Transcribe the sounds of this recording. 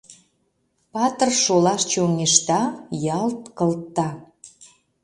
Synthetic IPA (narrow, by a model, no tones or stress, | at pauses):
pɑt̪ərʃolɑʃt͡ɕoŋeʃt̪ɑjɑlt̪kə̆lt̪ːɑ